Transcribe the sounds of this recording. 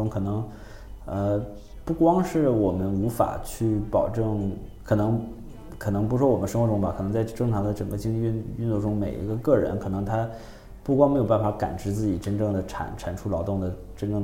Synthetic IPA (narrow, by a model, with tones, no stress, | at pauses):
ʊ˥ŋkʰɤ˨˩nɤ˧˥ŋ | ə˧ | pu˥˩kwɑ˥ŋʂɻ̩˥˩wɔ˨˩mə˦nu˧˥fa̰˨˩t͡ɕʰy˥˩pɑ˨˩ʊʈ͡ʂɤ˥˩ŋ | kʰɤ˨˩nɤ˧˥ŋ | kʰɤ˨˩nɤ˧˥ŋp̬u˧˥ʂwɔ˥wɔ˨˩mə˦nʂɤ˥ŋxwɔ˧˥ʈ͡ʂʊ˥ŋbɐ˧kʰnɤ˧˥ŋt͡sa˥˩ɪʈ͡ʂɤ˥˩ŋʈ͡ʂʰɑ˧˥ŋd̪ə˧ʈ͡ʂɤ˨˩ŋɡə˧t͡ɕi˥ŋt͡ɕi˧y˥˧ny˥˧t̪o˥˩ʈ͡ʂʊ˥ŋme˨˩ɪʔḭ˧˥ɡə˧kɤ˥˩ɻə̰˧˥nkʰɤ˨˩nɤ˧˥ŋt̪ʰa˥ | pu˥˩kwɑ˥ŋm˧˥jo˨˩ʊpa˥˩nfa˧˥ka̰˨˩nʈ͡ʂɻ̩˧˥t͡sɹ̩˥˩t͡ɕi˨˩ʈ͡ʂə˥nʈ͡ʂɤ˥˩ŋd̪ə˩ʈ͡ʂʰa̰˧˩˥nʈ͡ʂʰa˨˩nʈ͡ʂʰu˥lɑ˧˥ʊt̪ʊ˥˩ŋd̪ə˩ | ʈ͡ʂə˥nʈ͡ʂɤ˥˩ŋ